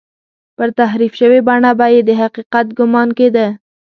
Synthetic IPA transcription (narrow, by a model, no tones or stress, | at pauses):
pəɾt̪aɦɾifʃəwebaɳabɑjed̪ːəɦaqiqat̪̚ɡʊmɑnked̪a